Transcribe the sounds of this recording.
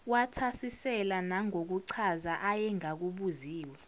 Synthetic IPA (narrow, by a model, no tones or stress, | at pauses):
watʰasisɛlanaŋok̬uǀʰazaʔajɛŋak̬uɓuziːwa